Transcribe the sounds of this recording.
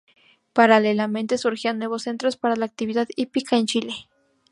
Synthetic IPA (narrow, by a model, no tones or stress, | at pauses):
paɾalelamẽ̞nt̪esuɾxianːwe̞βosːe̞nt̪ɾospaɾalaːk̚t̪iβiðaðipikaent͡ʃile